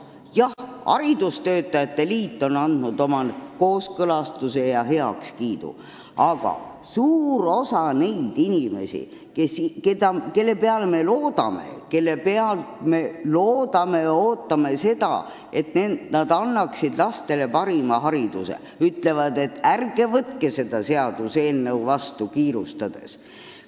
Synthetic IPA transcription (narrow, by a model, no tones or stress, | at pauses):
jɑhɑ̰ɾid̪̥ust̪ø̞ːt̪ːˑɑjɑt̪ːe̞liːt̪ːˑo̞nɑnd̪̥nud̪̥o̞mɑko̞ːskɤlɑst̪use̞jɑɦe̞ɑ̰kskiːd̪̥ṵ | ɑɡ̥ɑ̰suːɾo̞sɑne̞jd̪̥inʲime̞̰sḭ | kesked̪ɑke̞lːe̞pe̞ɑleme̞lo̞ːd̪̥ɑ̰me̞̰ke̞lːe̞pe̞ɑlt̪me̞loːd̪̥ɑme̞jɑo̞ːt̪ːˑɑme̞se̞d̪̥ɑ̰ | e̞t̪nend̪nɑd̪ɑnːɑksid̪lɑst̪e̞le̞pɑɾimɑɦɑɾid̪̥usḛ | yt̪ːle̞vɑd̪̥e̞t̪ːærɡ̥e̞vɤt̪kese̞d̪̥ɑse̞ɑd̪̥use̞ːlnewvɑst̪ukiːɾust̪ɑd̪̥e̞̰s